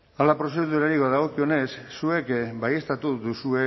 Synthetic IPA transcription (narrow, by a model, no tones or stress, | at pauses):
alapɾo̞s̬e̞ðuɾaɾiβaðaɣo̞kio̞ne̞sːue̞kbaje̞st̪at̪uðusue̞